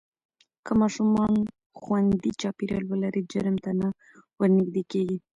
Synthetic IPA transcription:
kəmɑʃumɑn | xwand̪it͡ʃɑpiɾjɑ̰lwəlaɾid͡ʒəɾmt̪ana | wəɾnɪɡd̪ekeɡi

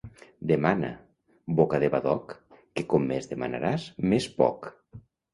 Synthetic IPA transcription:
d̪emana̰ | bokaðeβaðɔkː | ekɔmːezðema̰na̰ɾazmespɔ̰k

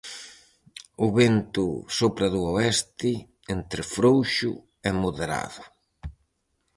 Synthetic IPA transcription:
ʊβent̪ʊ̰sopɾɐðʊoɛst̪ɪ | ent̪ɾɪfɾowʃʊ̰ | ɛmoðeɾa̰ðʊ

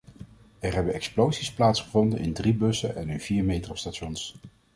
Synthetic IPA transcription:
ɛɹɦɛbənɛksplowzisplaːtsχəvɔndənʔɪndribɵsənʔɛnɵnviːɹmejtrostatʃɔns

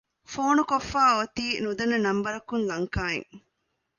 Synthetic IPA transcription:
foːnukofːaːot̪iːnud̪ɐnːɐnɐmbɐɾɐkunlɐŋkaːḛŋ

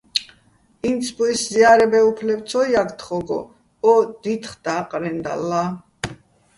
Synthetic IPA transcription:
int̪sʰbuisziaɾɛbɛupʰlɛbt̪sʰɔjakt̪ʰχɔɡɔ̰ | ɔd̪̥it̪ʰχd̪̥aqʼɾɛnd̪a̰lːa

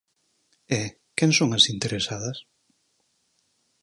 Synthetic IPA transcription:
ɛ | kɛŋsoŋɐsint̪eɾesað̞ɐs

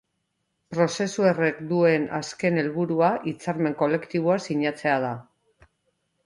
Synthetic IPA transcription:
pɾo̞se̞sue̞re̞kd̪ue̞na̰ske̞ne̞lβuɾuaʔit͡saɾme̞ŋko̞le̞kt̪iβ̞oasiɲat͡se̞að̞a

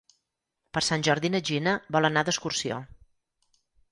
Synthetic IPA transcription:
pəɾsanʲʒɔɾðinəʒinəbɔlˠənad̪əskursio̰

